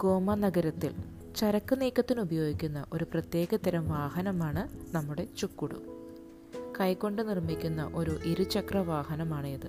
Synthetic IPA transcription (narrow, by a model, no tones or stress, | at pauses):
ɡ̥o̞ːmɐnɐɡɐɾɐt̪ːil | t͡ɕɐɾɐkːɨniːkːɐt̪ːinubɐjo̞ːɡikʲːun̪ːɐʔo̞ɾuprɐt̪je̞ːɡɐt̪ɐɾɐmʋaːhɐnɐmaːɳɨnɐmːuɽe̞t͡ɕukːuɽṵm | kɐjkːo̞ɳɖɨnirmikʲːunːɐ̰ʔo̞ɾuʔiɾut͡ɕɐkrɐʋaːhɐnɐmaːɳɨjɐðɨ